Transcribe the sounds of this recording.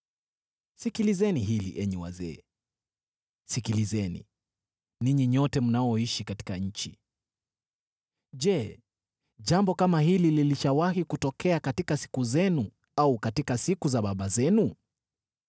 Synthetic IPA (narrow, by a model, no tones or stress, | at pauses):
sikilizɛniɦilḭʔɛɲɛwa̰zɛ̰ː | sikilizɛnḭ | niɲiɲɔtɛm̩naɔiʃikati̥kaɲ̩t͡ʃḭ | ʄɛ | ʄambɔkamaɦilililiʃawaɦikutɔkʰɛakatikasi̥kuzɛnu | aukatikasikuzaɓaɓazɛnu